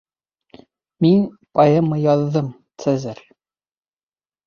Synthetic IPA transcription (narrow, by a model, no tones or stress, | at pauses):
min | pɑjɤmːɤjɒðːɤm | t̪sæzæɾ